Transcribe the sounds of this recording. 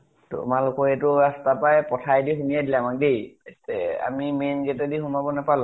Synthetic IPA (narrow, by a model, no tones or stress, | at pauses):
tʊ̰malkɔɛtʊɹastapajpɔtʰajdiɦumijadilɛamak̚dejstɛ̰a̰mimenɡetɛdiɦumabɔnapal̃